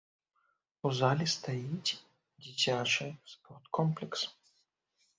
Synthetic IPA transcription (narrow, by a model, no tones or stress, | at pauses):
uzalʲist̪ɐjitʲ | dʲit͡ɕʲat͡ʃɨspɔrt̪kɔmplʲɛks